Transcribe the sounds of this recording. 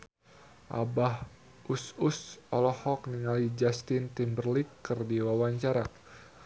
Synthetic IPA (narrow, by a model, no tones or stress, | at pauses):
ʔa̰bah | ʔususɔlɔhɔkniŋalid͡ʒast̪int̪imbərlikːɨrdiwawaɲt͡ʃaɾak